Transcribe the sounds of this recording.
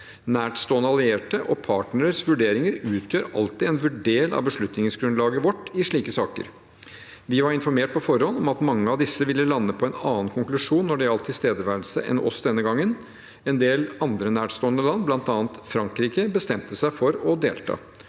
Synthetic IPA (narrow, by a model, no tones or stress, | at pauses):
næːʈst̪oːnəɑlɪeːʈəʔɔpʰɑːʈnəɾəsʋʉɖeːɾɪŋəɾʉːt̪ʰjøːɾɑ̰lt̪ɪɛnʋʉɖeːlɑ̰ʋbəʂɭʉt̪nɪŋsɡɾʉnlɑːɡəʋɔʈːɪʂɭiːkəsɑːkə̰ɾ | ʋɪʋɑɾɪnfɔɾmeːʈ̚pʰɔfɔɾhɔnːɔmɑt̪mɑŋːəɑʋd̪ɪsːəʋɪlːəlɑnːəpʰɔɛnɑːənkʰʊŋklʉʂuːnːɔɖɛɑlt̪ʰːɪst̪eːd̪əʋæɾlsə̰ʔɛ̰nɔ̰sd̪ɛnːəɡɑŋːən | ɛnd̪eːlɑnd̪ɾənæːʈst̪oːnəlɑnblɑnt̪ɑːnt̪fɾɑŋkɾiːkəbəst̪ɛmt̪əsæɪfɔɾɔd̪eːlt̪ʰɑ̰ː